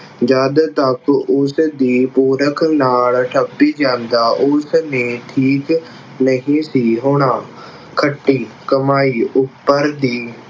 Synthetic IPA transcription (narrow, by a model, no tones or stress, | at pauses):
d͡ʒəd̪t̪əkʊsd̪iːpoːɾəkʰnaːɭʈʰəpːiːd͡ʒãːnd̪aːʔʊsnẽːʈʰiːk | nəɦĩːsiːɦʊɳ̃ãː | kʰəʈːiːkəmaːiːʔʊpːəɾd̪iː